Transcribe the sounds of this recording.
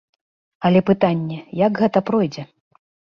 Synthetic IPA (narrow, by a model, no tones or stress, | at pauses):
ɐlʲɛpɨt̪anʲːɛjakɣɛt̪ɐpɾɔjd͡zʲɛ